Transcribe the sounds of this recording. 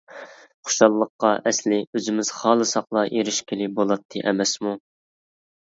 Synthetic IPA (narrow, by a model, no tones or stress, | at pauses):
χo̥ʃɑlˠːəqːɑʔɛslɪøzɪmɪz̥χɑːlˠɨsɑqlˠɑʔeɾɪʃkʲʰɪlɪbolˠɑt̪ʰːɨ̰ʔɛmɛsmu